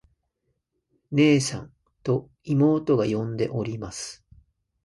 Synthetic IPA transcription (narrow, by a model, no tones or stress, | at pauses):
ne̞ːsã̰n | t̪o̞ | imo̞ːt̪o̞ɡajõ̞nd̪e̞ʔo̞ɾʲimasɨ̥